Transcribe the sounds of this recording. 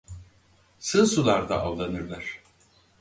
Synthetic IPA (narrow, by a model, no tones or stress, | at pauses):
sɯnsulˠaɾd̪a̰ʔallˠanɯɾlˠaɾ̥